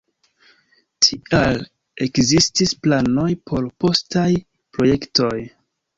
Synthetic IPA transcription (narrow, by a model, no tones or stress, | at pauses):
tʰial | e̞kzistisplano̞jpʰo̞ɾpo̞staj | pɾo̞je̞kto̞j